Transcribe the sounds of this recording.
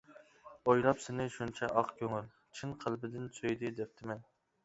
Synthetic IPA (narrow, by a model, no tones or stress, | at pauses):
ojlˠɑpsɪnɪʃunt͡ʃʰɛʔɑqkʲʰøŋyl | t͡ʃʰinqʰəlˠbɪd̪ɪnsøjd̪ɪd̪ɛp̚t̪ʰɪmɛn